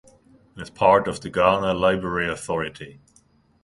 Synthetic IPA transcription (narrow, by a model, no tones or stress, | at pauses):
ɪz̥pʰɑɹɾʌvðəɡanəlaɪbɹəɹiəθɔɹɨɾʰi